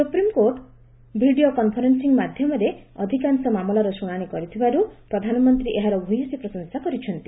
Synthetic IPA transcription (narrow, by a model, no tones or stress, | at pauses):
supɾimkoɾʈ | bʱiɖiokɔnpʰɔɾensiŋmad̪ʱjɔmɔɾeɔd̪ʱikansɔmamɔlɔɾɔsuɽ̃aɽ̃ikɔɾit̪ʰibaɾupɾɔd̪ʱanɔmɔnt̪ɾiʔeɦaɾɔbʱujɔsipɾɔsɔŋsakɔɾit͡ʃʰɔnt̪i